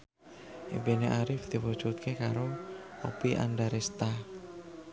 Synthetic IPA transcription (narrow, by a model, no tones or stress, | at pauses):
ʔebeneʔaɾɪfd̪̥i̤wud̥ʒ̥ut̪̚kekaɾoopiʔa̰nɖaɾest̪a